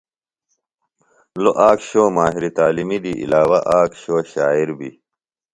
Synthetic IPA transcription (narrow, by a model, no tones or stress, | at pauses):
loʔaːkɕoːmaːɦiɾit̪aːlimid̪iʔḭlaːwɐʔaːkɕoːɕaːiɾbi